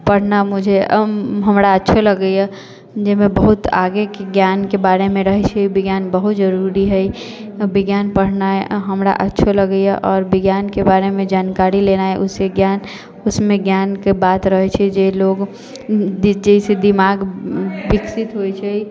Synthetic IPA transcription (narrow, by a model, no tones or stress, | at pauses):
pəɽ̤namʊd͡ʒʱeɦəmɾaətːʃʰeləɡəja | d͡ʒeɦmẽbəɦʊt̪a̰ːɡekeɡjaːnkebaːɾemẽɾəɦɛt͡ʃʰɛibɪɡjaːnbəɦʊt̪d͡ʒəɾuɾiɦɛi | bɪɡjaːnpəɽ̤naɦɛɦəmɾa̰ʔə̰tːʃʰeləɡəjaʔɔːɾbɪɡjaːnkebaːɾemẽd͡ʒaːnkaːɾilenaɦɛʔʊseɡjaːn | ʊsmẽɡjaːnkebaːt̪ɾəɦɛt͡ʃʰɛd͡ʒeloːɡ | d͡ʒɛised̪ɪmaːɡbɪksɪt̪ɦojt͡ʃʰɛi